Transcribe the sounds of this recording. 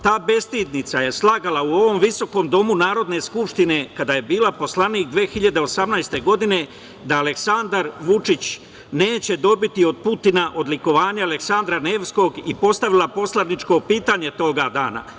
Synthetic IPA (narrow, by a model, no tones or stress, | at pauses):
t̪aːbe̞st̪iːd̪nit̪saje̞slˠaɡalauo̞ʋo̞mʋiso̞ko̞md̪o̞munaːɾo̞d̪ne̞skupʂt̪ine̞kad̪aje̞biːlapo̞slˠaniːkd̪ʋeːxiʎad̪eosamnajst̪e̞ɡo̞d̪ine̞ | d̪aːle̞ksand̪aɾʋut͡ʂit͡ɕ | ne̞ːt͡ɕe̞d̪o̞bit̪io̞d̪̚put̪inaʔo̞d̪liko̞ʋaːɲaaleksand̪ɾane̞ːʋsko̞ɡipo̞st̪aʋilˠapo̞slˠanit͡ʃko̞piːt̪aːɲe̞t̪o̞ɡad̪aːna̰